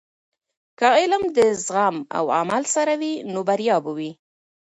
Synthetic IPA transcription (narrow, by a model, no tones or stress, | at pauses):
kaɪlamd̪əzɣama̰wa̰malsaɾawinobaɾjɑbəwi